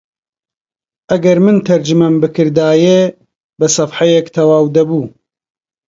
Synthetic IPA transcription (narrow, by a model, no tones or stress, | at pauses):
ʔɐɡɐɾmɨnt̪ʰɐɾd͡ʒɨmɐmbɨkʰɨɾd̪aːjeː | bɐsɐfħɐjekt̪ʰɐwaːwd̪ɐbuː